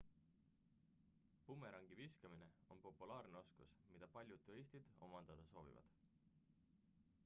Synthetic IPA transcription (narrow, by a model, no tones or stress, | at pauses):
pumːe̞ɾɑŋɡ̥iviskɑmine̞o̞̰npo̞pːˑulɑːrneo̞skusmid̪̥ɑpɑlʲjud̪ːurist̪id̪̥o̞mɑnd̪̥ɑd̪̥ɑso̞ːvḭvɑ̰d̪̥